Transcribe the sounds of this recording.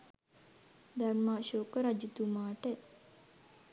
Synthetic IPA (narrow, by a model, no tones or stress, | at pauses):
d̪anmaːʃoːkəɾad͡ʒit̪umaːʈə